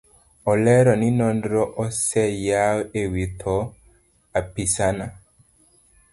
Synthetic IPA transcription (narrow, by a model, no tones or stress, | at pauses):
ɔlɛɾɔninɔndɾɔʔɔsɛjaewit̪ʰɔ | apisana